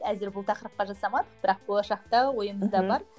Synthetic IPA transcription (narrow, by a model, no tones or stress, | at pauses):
æzɪɾbʊlˠt̪ʰɑqəɾəp̚qɑʒɑsɑmɑd̪əqbɪɾɑq̚b̥olˠɑʃɑq̚t̪ɑwo̞jəməzd̪ɑbɑɾ